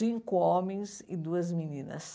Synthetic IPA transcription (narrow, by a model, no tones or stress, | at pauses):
ĩŋkʊɔmẽj̃zɪd̪uɐzminĩnɐ̰s